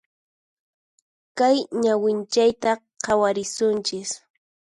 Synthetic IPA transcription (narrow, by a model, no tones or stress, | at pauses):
kajɲawɪnt͡ʃajt̪a | qʰɑwaɾɪsʊnt͡ʃɪs